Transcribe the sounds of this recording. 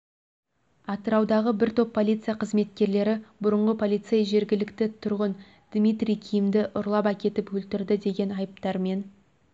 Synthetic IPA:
ɑt̪əɾɑwd̪ɑʁəbɪɾt̪ʰo̞pʰːo̞lʲˠijt̪sɨjaqʰəzme̞t̪̚kʲe̞ɾle̞ɾɪbʊɾəɴʁəpʰo̞lʲˠijt̪sejʒe̞ɾɡʲɪlɪkt̪ɪt̪ʰʊɾʁən | d̪̥mʲijt̪rʲijkʲʰijɪmd̪ɪʔʊɾlˠɑpækʲe̞t̪ɪpwɵlt̪ɪɾd̪ɪd̪e̞ɡʲe̞nɑjəp̚t̪ɑɾme̞n

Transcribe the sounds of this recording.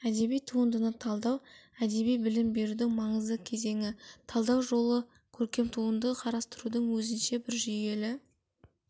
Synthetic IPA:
æd̪e̞bijt̪ʰuənd̪ənət̪ʰɑlˠd̪ɑwæd̪e̞bijbɪlɪmbe̞ɾud̪ɪŋmɑɴəzd̪əkʲʰe̞ze̞ŋɪt̪ʰɑlˠd̪ɑwʒo̞lˠə | kʲʰɵɾkʲe̞mt̪ʰuənd̪əqʰɑɾɑst̪əɾud̪əɴwɵzɪnʃe̞bɪɾʒʏje̞lɪ

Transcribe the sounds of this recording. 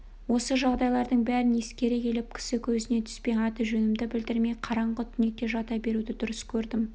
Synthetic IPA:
wo̞səʒɑʁd̪ɑjlˠɑɾd̪əɴbæɾɪne̞skʲe̞ɾekʲe̞lɪp̚kʲʰɪ̥sɪkʲʰɵzɪne̞t̪ʰʏ̥spe̞jɑt̪əʒɵnɪmd̪ɪbɪld̪ɪɾme̞jqʰɑɾɑɴʁət̪ʰʏne̞t̪e̞ʒɑt̪ɑbe̞ɾud̪ɪd̪ʊɾəskʲʰɵɾd̪ɪm

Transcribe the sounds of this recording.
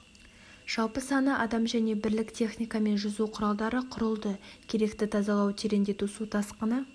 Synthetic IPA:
ʒ̥ɑlˠpəsɑnəʔɑd̪ɑmʒæne̞bɪɾlɪkt̪ʰe̞χnijkɑme̞nʒʊzuqʰʊɾɑlˠd̪ɑɾəqʰʊɾəlˠd̪əkʲʰe̞ɾe̞kt̪ɪt̪ʰɑzɑlˠɑwt̪ʰeɾe̞nd̪e̞t̪usut̪ʰɑsqənə

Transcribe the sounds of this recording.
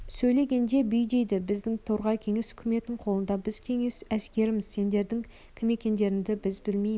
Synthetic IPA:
sɵjle̞ɡʲe̞nd̪e̞bʏjd̪e̞jd̪ɪbɪzd̪ɪŋt̪ʰoɾʁɑjkʲʰe̞ŋe̞sʏ̥kʲʰɪme̞t̪nɪɴqʰolˠənd̪ɑbɪzkʲʰe̞ŋe̞sæskʲe̞ɾɪmɪzse̞nd̪e̞ɾd̪ɪŋ | kʲʰɪme̞kʲe̞nd̪e̞ɾɪnd̪ɪbɪzbɪlmej

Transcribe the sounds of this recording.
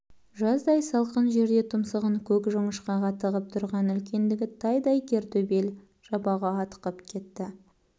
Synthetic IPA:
ʒɑsd̪ɑjsɑlˠqənʒe̞ɾd̪e̞t̪ʰʊmsəʁəŋkʲʰɵkʒʊɴəʃqɑqɑt̪əʁəp̚t̪ʰʊɾʁɑnʏlkʲe̞nd̪ɪɡʲɪt̪ʰɑjd̪ɑjkʲʰe̞ɾt̪ɵbe̞l | ʒ̥ɑbɑʁɑɑt̪ə̥qəpkʲʰe̞t̪ːɪ

